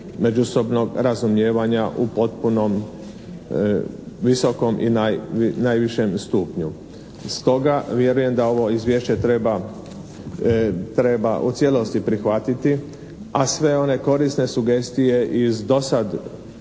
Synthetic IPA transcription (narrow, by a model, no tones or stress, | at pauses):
me̞d͡ʒuso̞bno̞ɡɾazumje̞ːʋaɲaʔupo̞t̪̚puno̞m | ʋiso̞ko̞mʔḭnajnajʋiʃe̞mst̪uːpɲu | st̪o̞ɡaʋje̞ɾuje̞md̪ao̞ʋo̞izʋje̞ʃt͡ɕet̪ɾeba | t̪ɾe̞baʔut̪sje̞lo̞st̪ipɾixʋat̪it̪i | asʋe̞o̞ne̞ko̞ɾisne̞suɡe̞st̪ije̞ʔizd̪o̞sad̪